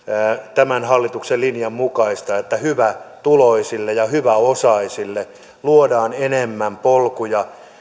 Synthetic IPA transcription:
t̪æmænhɑlːit̪ukselinjɑmmukɑist̪ɑet̪ːæhyʋæt̪uloisilːejɑhyʋæosɑisilːe | luodɑːnenemːæmpolkujɑ

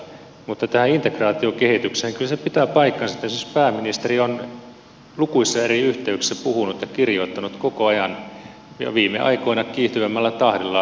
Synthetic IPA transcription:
mut̪ːɑt̪æhæint̪ekrɑːt̪iokehit̪yksehːŋkylsepit̪æpɑikːɑnsɑt̪ːesispæːmːinist̪erion | lukuisːɑeriyht̪eyksepuhunut̪jɑkirjoit̪ːɑnut̪kokoɑjɑn | jɑ̰ʋiːmːḛʔɑ̰ikoinɑkiːht̪yʋemːælːæt̪ɑhdilːɑ

